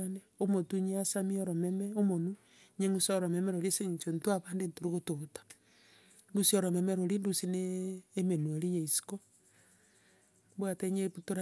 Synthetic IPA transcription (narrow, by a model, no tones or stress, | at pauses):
ane | omotuɲiasamioɾomemeomonu | ɲeŋusoɾomemeɾoɾieseɲt͡ʃontwaβaːndentoɾiɣototḁ | ndusioɾomemeɾoɾindusineːmenueɾijeisi̥ko | bwateɲeβutoɾa